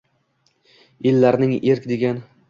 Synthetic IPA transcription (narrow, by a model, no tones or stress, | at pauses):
elːaɾnɪŋeɾkʲd̪eɡʲan